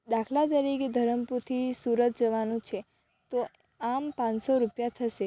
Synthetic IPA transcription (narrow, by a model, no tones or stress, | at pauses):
d̪akʰlat̪əɾiked̪ʱəɾəmput̪ʰisuɾət̪̚d͡ʒəʋanũt͡ʃʰe | t̪o | ampãnsoɾupjat̪ʰəʃe